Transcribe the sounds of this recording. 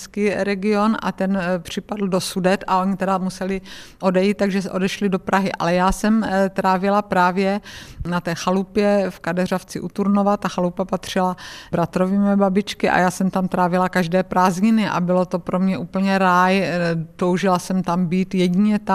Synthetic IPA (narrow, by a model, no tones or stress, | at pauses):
skiːɾɛɡɪo̞na̰t̪ɛnpr̝̥ɪpadl̩dosudɛt̪aʔoɲɪt̪ɛdamusɛlɪʔo̞dɛjiːt̪̚t̪ːaɡʒɛsʔo̞dɛʃlɪdo̞pɾaɦɪʔa̰lɛjaːsɛmt̪ɾaːvɪlapɾaːvjɛnat̪ɛːxalupjɛfkadɛraft͡sɪʔut̪uɾnovat̪ːaxalupapat̪r̝̥ɪlabɾat̪ɾo̞viːmɪbabɪt͡ʃkɪʔa̰jaːsɛmt̪amt̪ɾaːvɪlakaʒdɛːpɾaːzɲɪnɪʔa̰bɪlo̞t̪o̞pɾo̞mɲɛʔuːpl̩ɲɛɾaːjt̪o̞wʒɪlasɛmt̪ambiːt̪jɛɟiɲɛt̪a